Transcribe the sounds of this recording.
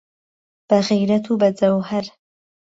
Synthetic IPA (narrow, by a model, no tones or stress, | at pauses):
b̥aɣijɾat̪ʰubazawhaɾ